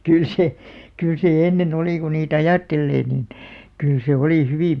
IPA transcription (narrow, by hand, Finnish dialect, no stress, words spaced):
kyl se kyˑl se enːen oliˑ ku niːt ɑjɑˑtːelːeː niːn kyl se oliˑ hyʋiˑm